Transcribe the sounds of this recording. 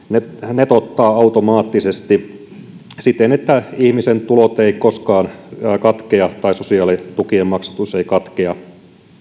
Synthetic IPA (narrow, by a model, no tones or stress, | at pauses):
nenet̪ot̪ːɑːɑut̪omɑːt̪ːisest̪i | sit̪enet̪ːæihmisent̪ulot̪eikoskɑːnːkɑt̪keɑt̪ɑisosiɑːlit̪ukiemmɑksu̥t̪useikɑt̪keɑ